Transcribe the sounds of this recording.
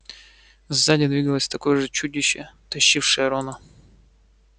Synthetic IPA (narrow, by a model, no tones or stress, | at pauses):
vzːadʲɪd̪vʲiɡəlˠəsʲt̪ɐko̞jʐɨt͡ɕudʲɪɕːɪt̪ɐɕːifʂɨjəɾonə